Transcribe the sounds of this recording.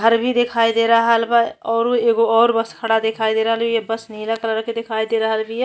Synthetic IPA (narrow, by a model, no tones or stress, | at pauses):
ɡʱəɾbʱid̪ekʰaːid̪eɾəɦəlbaɔːɾoeːɡoɔːɾbəskʰəɽad̪ekʰaːid̪eɾəɦəlijebəsnilakəɾɾəked̪ekʰaːid̪eɾəɦəlbʱij